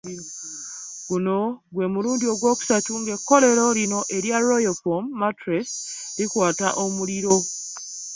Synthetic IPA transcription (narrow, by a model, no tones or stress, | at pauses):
ɡunoɡwe̞muɾuːndioɡwoːku̥satuŋɡekːoɾeɾoɾinoʔeɾjaɾojofomːatɾes | ɾikwaːtaʔomuɾiɾo